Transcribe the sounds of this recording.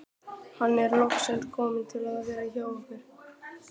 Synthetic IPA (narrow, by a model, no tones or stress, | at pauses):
hanːɛɾlɔxsɛlɾkʰɔːmɪnt̪ʰɪlaððvɛːɾaçaːwɔkʏɾ̥